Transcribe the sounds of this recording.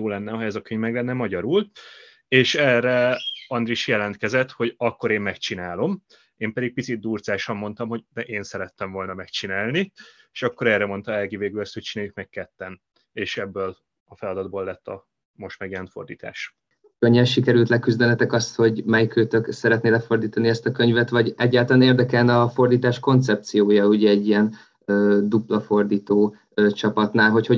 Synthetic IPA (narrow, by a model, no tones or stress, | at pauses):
oːlɛnːɛɦɛzɒkøɲvmɛɡlɛnːɛmɒɟɒɾul | eːʃɛːrɛɒnd̪riʃjɛlɛnt̪kɛzɛt̪ho̞ɟɒkːo̞ɾeːmːɛkt͡ʃinaːlo̞m | eːmpɛd̪ik̚pit̪sid̪̚ːuːrzaːʃɒmːo̞nt̪ɒmɦo̞ɟd̪ɛʔeːnsɛɾɛt̪ːɛɱvo̞lnɒmɛkt͡ʃinaːlni | eːʃɒkːo̞ɾɛːrɛmo̞nt̪ɒɛlɡiveːɡylɒst̪ho̞c̚t͡ʃinaːjykmɛkkɛt̪ːɛn | eːʃɛbːøːl | ɒfɛlɒd̪ɒd̪boːlːɛt̪ːɒ | mo̞ʃt̪maːɡiɛnfo̞̰rd̪iːt̪ʰa̰ːʃ | køɲːɛnʃikɛɾylt̪lɛkyzd̪ɛnɛt̪ɛkɒst̪ho̞ɟmɛjkøːt̪øksɛɾɛt̪neːlɛfo̞rd̪iːt̪ɒniɛst̪ɒkø̞ɲvɛt̪ʋɒɟɛɟːaːlt̪ɒlaːneːrd̪ɛkɛlnɒfo̞rd̪iːt̪aːʃko̞nt̪sɛp̚t̪sijoːjɒuɟɛːɟːijɛn | øːd̪uplɒfo̞rd̪iːt̪oː | øt͡ʃɒpɒt̪naːlɦo̞cho̞